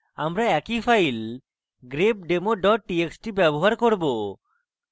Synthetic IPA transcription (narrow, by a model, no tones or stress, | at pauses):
amɾaɛkipʰajl | ɡɾeb̚ɖemoɖɔʈ̚ːieksʈibɛboɦaɾkoɾbo